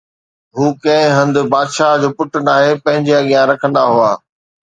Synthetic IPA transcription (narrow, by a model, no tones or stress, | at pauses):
ɦuːkɐ̃ɦɪ̃ɦɐ̃nd̪ʊ̆baːd̪ʃaːɦd͡ʑoːpʊʈənaːɦepɐ̃ɦɪ̃ɲd͡ʑeɐɠijãɾɐkʰə̃nd̪aɦuaː